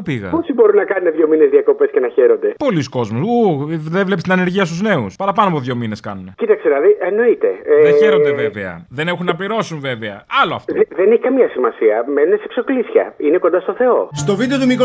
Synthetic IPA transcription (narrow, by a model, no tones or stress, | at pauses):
upiɣɐ̰posibo̞ɾunɐkɐnuneðʝo̞minezðiɐko̞pe̞scenɐçeɾo̞nd̪e̞po̞lisko̞zmusuðevle̞pest̪inɐne̞ɾʝiɐst̪uzne̞uspɐɾɐpɐnoɐpoðʝo̞mine̞skɐ̰nunecit̪ɐkselɐðieno̞it̪e̞̰ðeçeɾond̪eveveɐ̰ðe̞nexunːɐpliɾo̞sunve̞veɐ̰ɐloɐ̰ft̪ðeneçikɐmɲɐsimɐsiɐmenuneseksoklisçɐ̰ineko̞nd̪ɐst̪o̞θe̞o̞st̪o̞vid̪eot̪umiko